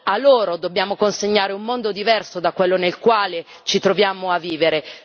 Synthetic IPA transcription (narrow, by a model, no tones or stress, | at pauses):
alːoːɾod̪obːjaːmokonseɲːaːɾeumːond̪od̪ivɛrsod̪akːwelːonelkwaːle | t͡ʃit̪ɾovjaːmoavːiːveɾe